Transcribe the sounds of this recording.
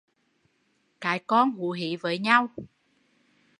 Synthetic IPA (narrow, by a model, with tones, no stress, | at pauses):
kaː˨˦jkɔ˧nɦu˧˦ɦi˧˩˦vəː˨˦jɲa˧w